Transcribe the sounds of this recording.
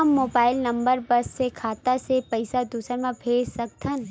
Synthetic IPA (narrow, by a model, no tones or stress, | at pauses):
mːoːbaːɪlnɐmbəɾbɐsːekʰaːt̪asepɐɪsad̪usəɾmẽbʱeːsəkt̪ʰən